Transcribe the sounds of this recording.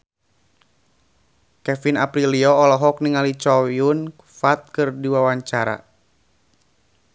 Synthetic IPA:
kɛfinapɾiliɔːlɔɦɔk̚niŋalit͡ʃɔjun | fat̪̚kɨrdiwawaɲt͡ʃaɾa̰

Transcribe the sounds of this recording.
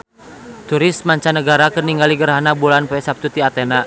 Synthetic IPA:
t̪uɾɪst̪̚maɲt͡ʃanəɡaɾakərniŋɡaliɡəɾɦanabulanpɛɛsap̚t̪ut̪iat̪ɛna

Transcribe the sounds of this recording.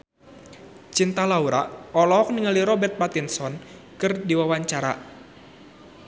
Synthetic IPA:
t͡ʃint̪alauɾaʔɔlɔːk̚niŋaliɾɔbɛrt̪̚pat̪insɔn | kɨrdiwawaɲt͡ʃaɾa̰

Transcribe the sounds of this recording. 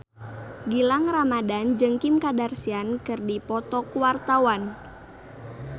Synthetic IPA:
ɡilaŋramadand͡ʒɨŋkimkadarsiankɨrdipɔt̪ɔkuwart̪awan

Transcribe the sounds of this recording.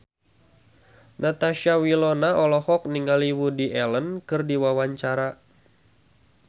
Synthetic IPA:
nʔat̪aʃawilɔnaɔlɔhɔk̚niŋɡaliwudiʔɛlənkɨrdiwawaɲt͡ʃaɾa

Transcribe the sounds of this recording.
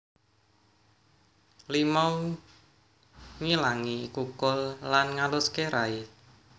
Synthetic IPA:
limaw | ŋilaŋikukʊlːanŋalʊskeɾai

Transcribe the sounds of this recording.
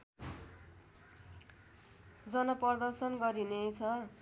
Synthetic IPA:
d͡zʌnʌpʌrd̪ʌrsʌnɡʌɾinet͡sʰʌ

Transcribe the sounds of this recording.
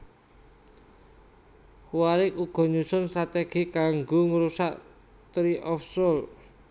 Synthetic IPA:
kuwaɾɪkuɡ̥ɔ̤ɲusʊnst̪ɾat̪eɡ̥i̤kaŋɡoŋəɾusaʔ | t̪ɾiʔɔfsʊl

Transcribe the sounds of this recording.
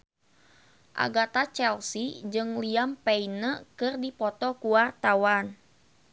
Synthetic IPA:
ʔa̰ɡat̪at͡ʃɛlsid͡ʒɨŋliampɛinəkɨrdipɔt̪ɔkuwart̪awan

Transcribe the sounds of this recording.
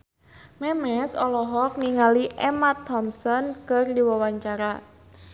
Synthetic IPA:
mɛmɛsɔlɔɦɔk̚niŋaliʔɛmat̪ʰːɔmsɔnkərdiwawaɲt͡ʃaɾa

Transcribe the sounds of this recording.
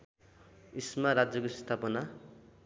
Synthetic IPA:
ismaɾad͡zjʌkosʌ̥st̪ʰapʌna

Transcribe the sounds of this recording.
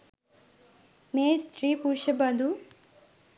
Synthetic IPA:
meːst̪ɾiːpuʃɐbɐd̪ʱu

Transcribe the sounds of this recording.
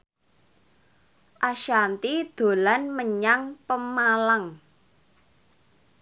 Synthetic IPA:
ʔaʃant̪id̪̥o̤lanməɲaŋpəmalaŋ

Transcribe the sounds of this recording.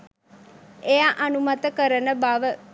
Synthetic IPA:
ʔejaʔanumat̪əkəɾənəbaʋə

